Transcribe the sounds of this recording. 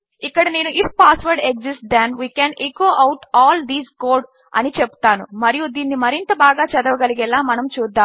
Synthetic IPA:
ikːɐɽɐne̞ːnuʔippaːsʋɐɾɖekzisʈ̚d̪enʋiːkɛːnekoːʔɐwʈɔːld̪iːzkoːɖ | ɐ̰nit͡ʃepu̥t̪aːnṵmɐɾijud̪iːnːimɐɾint̪ɐbaːɡaːt͡ʃɐd̪ɐʋɐɡɐliɡɛlaːmɐnɐmt͡ʃuːd̪ːaːm

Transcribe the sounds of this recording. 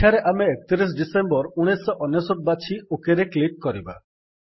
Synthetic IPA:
aɾeʔameːk̚t̪iɾis̬ɖisembɔɾuɽ̃esɔʔɔnesɔk̚bat͡ʃʰiokeɾekliʈ̚kɔɾiba̰

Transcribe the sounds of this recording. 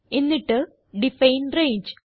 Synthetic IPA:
enːiʈːɨ | ɖifɐjnreːɲd͡ʑɨ

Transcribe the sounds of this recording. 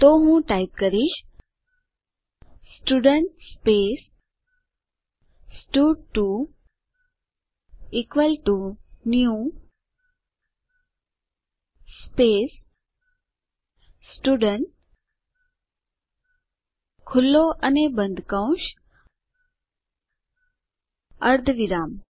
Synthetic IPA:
t̪omũːʈaip̚kəɾiʃ | sʈuɖəɳʈspeːs | sʈuːɖ̚ʈu | ikʋəlʈunjũ | speːs | sʈuːɖəɳʈ | kʰʊlːoʔɐnebɐ̃nd̪ʱkãʊ̃ʃ | ɐɾd̪ʱʋɪɾaːm

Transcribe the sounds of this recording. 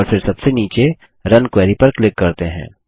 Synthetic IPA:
ɔːɾfɪɾsɐbseniːt͡ʃe | ɾɐnkwɛːɾipɐɾklɪkːɐɾt̪eɦɛ̰̃ː

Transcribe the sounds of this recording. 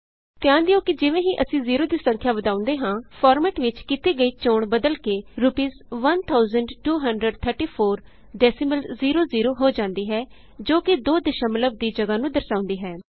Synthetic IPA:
t̪ɪjãːnd̪ɪoːkɪd͡ʒɪʋẽːɦĩːʔəsĩːziːɾoːd̪iːsə̃ŋkʰjaːʋəd̪aːʊ̃nd̪eːɦãːpʰɔːɾmɛːʈʋɪt͡ʃkit̪iːɡəiːt͡ʃoːɳbəd̪əlkeːɾʊpiːzʋənt̪ʰaːʊzəɳɖʈuːɦəɳɖɾəɖt̪ʰəɾʈiːpʰoːɾ | ɖɛːsɪməlziːɾoːziːɾoːɦoːd͡ʒãːnd̪iːɦɛː | d͡ʒoːkɪd̪oːd̪ɪʃãːmələb̚d̪iːd͡ʒəɡaːnũːd̪əɾsaːʊ̃nd̪iːɦɛː

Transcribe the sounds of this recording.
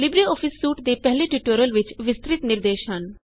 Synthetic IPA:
lɪbɾiɔːfʰɪsːuːʈd̪epɛɦleʈiʈəɾjəlʋɪt͡ʃʋɪst̪ɾɪt̪nɪɾd̪eːʃɦɐn

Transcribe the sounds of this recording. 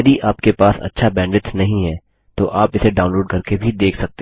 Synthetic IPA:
jɐd̪iʔaːpkepaːsɐ̰tːʃʰabɛ̃ːɳɖɪt̪nɐɦĩɦɛː | t̪oʔaːpɪseɖaːʊnloːɖkɐɾkebʱid̪eːkʰsɐk̚t̪e

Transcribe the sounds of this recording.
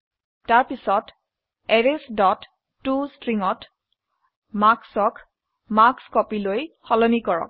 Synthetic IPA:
taɹpisɔt | ɛɹesdɔtː | ustɹiŋɔt | maksɔk | makskɔpilojxɔlɔnikɔɹɔ̰k̚

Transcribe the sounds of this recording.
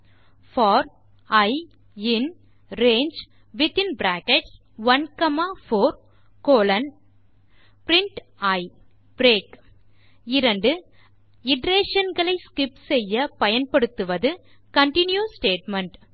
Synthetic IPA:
fɔːɾ | ɐɪ | ɪn | ɾeːnd͡ʒ | ʋɪt̪ɪnbɾaːkɛʈs | ʋɐnkɐmaːfoːɾ | koːlɐn | pɾɪɳʈɐɪ | b̥ɾeːk | ɪɾɐɳɖɯ | ɪɖɾeːʂɐnɡɐɭɐɪskɪpsɛjːɐpɐjɐnpɐɽɯt̪ːɯʋɐðɯ | kɐɳʈɪnjuːsʈeːʈmɐɳʈ

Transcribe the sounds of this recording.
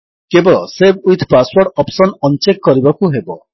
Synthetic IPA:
kebɔɭɔsebujt̪ʰpaswɔɾɽɖɔpsɔnɔnt͡ʃekːɔɾibakuɦebɔ

